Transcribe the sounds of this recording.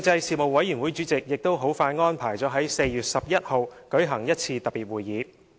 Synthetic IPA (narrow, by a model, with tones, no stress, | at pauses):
k̚t͡sɐ˧jsiː˨mo˨wɐ˨˥jːy˨˩nwuː˨˥jt͡ʃyː˨˥t͡sɪ˨k̚jɪ˨k̚t̪o˥wɦo˨˥wfaː˧jŋɔː˥npʰaː˨˩jt͡sɔː˨˥ɦɐ˨˥jse˧jjyː˨˩t̚sɐ˨p̚jɐ˥t̚ho˨wkɵ˨˥ɥɦɐ˨˩ŋjɐ˥t̚t͡sʰiː˧t̪ɐ˨p̚ːiː˨˩t̚wuː˨˩jːiː˨˧˥